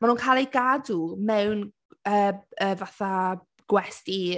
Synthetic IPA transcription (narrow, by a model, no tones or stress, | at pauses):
manuːnkʰaːlˠejɡadumɛwn | əːəvaθa | ɡ̥wɛsti